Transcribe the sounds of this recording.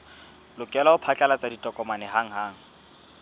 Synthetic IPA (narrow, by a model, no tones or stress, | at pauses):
lʊkʼɛlaʊpʰat͡ɬʼɛlat͡sʼaditʼɔkʼɔmanɛɦaŋ̩ɦaːŋ̩